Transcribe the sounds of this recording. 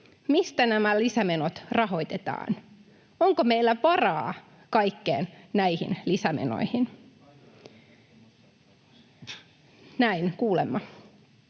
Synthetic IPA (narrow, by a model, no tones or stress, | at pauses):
mist̪ænæmælisæmenot̪rɑɦo̞it̪et̪ɑ̰ːn | oŋkomeilːæpɑrɑː | kɑjkːeːnnæihḭnlisæmḛno̰ihin | næinkuːlemːɑ